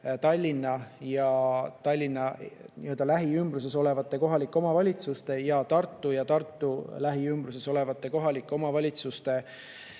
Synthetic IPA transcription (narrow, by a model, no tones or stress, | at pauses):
t̪ɑlʲːinːɑjɑt̪ɑlʲːinːɑniø̞ld̪̥ɑlæɦiymbɾus̬e̞so̞le̞vɑt̪ːˑe̞ko̞ɦɑlikːˑeo̞mɑvɑlʲit̪sust̪e̞jɑt̪ɑrt̪ˑːujɑt̪ɑrt̪ˑːulæɦiymbɾuse̞so̞le̞vɑt̪ːˑe̞ko̞ɦɑlikˑːeo̞mɑvɑlʲit̪sust̪e̞